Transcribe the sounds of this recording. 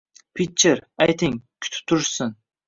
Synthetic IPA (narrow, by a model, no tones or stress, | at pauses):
pʰit͡ʃʰːɪɾajt̪ʰɪŋkʲʰʊ̥t̪ʰɪ̥p̚t̪ʰːʊɾsɪn